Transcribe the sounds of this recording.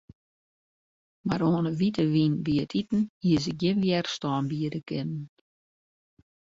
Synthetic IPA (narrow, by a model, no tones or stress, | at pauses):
maɾoːənəʋitəʋinbiətʰitn̩hiəsəɡjɪnʋjɛrstɔːnbiədəkʰɪnən